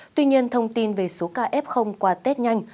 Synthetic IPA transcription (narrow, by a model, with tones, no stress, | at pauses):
t̪wi˧ɲi˧ənt̪ʰə˧wŋ͡mt̪i˧nve˨˩so˨˦kaː˧˩ʔɛ˦˥p̚xə˧wŋ͡mkwaː˧t̪e˦˥t̚ɲa˧jŋ̟